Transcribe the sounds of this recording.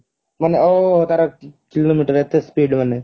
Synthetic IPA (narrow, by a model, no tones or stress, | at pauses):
mɐnːeoːt̪ɐɾɐkiloːmiːʈəɾet̪ːespiːɖmɐnːe